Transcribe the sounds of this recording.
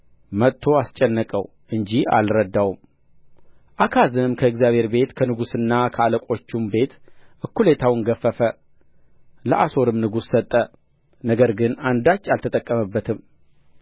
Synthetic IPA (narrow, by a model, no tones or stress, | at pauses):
mət̪ʼʰːo̞ast͡ʃʼːɛnːəkʼə̰w | ʔɨɲd͡ʒia̰lɾəd̪ːawum | ʔakʰazɨnɨmkʰəɨɡzijaβhe̞ɾbe̞t̪kʰənɨɡusɨnːakʰəaləkʷʼo̞t͡ʃːumbe̞t̪ʔɨkːulet̪ʰawɨŋɡəfːəfə | ləʔaso̞ɾɨmnɨɡusːət̪ʼːə | nəɡəɾɡɨnand̪at͡ʃːalt̪ʰət̪ʼəkʼːəməbːət̪ʰɨm